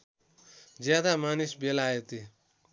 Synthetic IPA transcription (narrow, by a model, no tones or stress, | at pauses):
d͡zjad̪amanisbelaet̪i